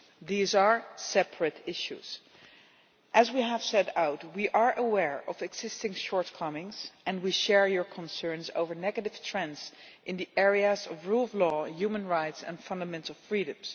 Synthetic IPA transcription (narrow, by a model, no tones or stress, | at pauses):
ðizə˞sɛpʰɹɨtɪʃṵz̥ | ʔɨzwiɦəv̥sɛɾaʊtwiʔəɹʔəwɛɹɔvɛɡz̥ɪstɪ̃ŋʃɔɹtkʰʌmɪ̃ŋz̥ʔɨ̃nwiʃɛɹjɔɹkʰə̃nsɜ̃˞nzo̰ʊvə˞nɛɡəɾɪv̥tʰɹ̥ɛ̃nsʔɪ̃nðiʔɛɹiəzɔvɹulˠvlɔjumə̃nɹaɪtsɨ̰̃nfʌ̃ndəmɛ̃ntˡl̩ˠfɹiɾɨ̃mz̥